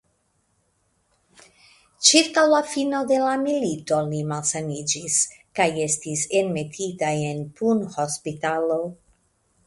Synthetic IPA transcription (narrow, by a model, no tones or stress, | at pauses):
t͡ʃiɾkawlafino̞d̪e̞lamilito̞limalsanid͡ʒis | kaje̞stise̞nme̞tʰitaje̞npunhospitalo̞